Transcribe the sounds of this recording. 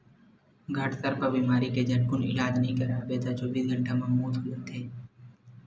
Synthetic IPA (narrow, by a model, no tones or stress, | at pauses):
ɡʱəʈsəɾpəɾbiːmaːɾiːkeːd͡ʒənkʊnɪ̰laːd͡ʒnəɦĩːkəɾaːbeːt̪ad͡ʒoːʋiːsɡʱəɳʈaːmãmuːt̪ʰʊlənt̪ʰeː